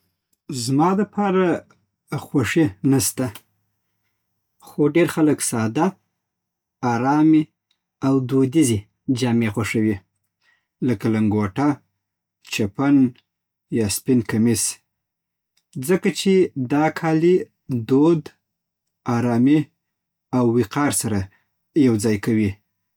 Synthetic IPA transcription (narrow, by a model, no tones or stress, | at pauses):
zmɑləpʰɑɾa | xwaʂinast̪a | xoɖeɾxaləksɑd̪a | ɑɾɑmi | awd̪od̪ize | d͡ʒɑmexwaʂawi | ləkalaŋɡoʈa | t͡ʃapan | jɑspinkamis | d͡zəkat͡ʃed̪ɑkʰɑli | d̪od̪ | ɑɾɑmi | awːiqɑɾsaɾa | jawd͡zɑjkawi